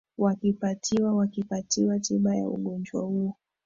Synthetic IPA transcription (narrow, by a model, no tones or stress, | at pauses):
wakipatʰiwawakipatiwatiɓaja̰ṵɠɔnd͡ʒwa̰huɔ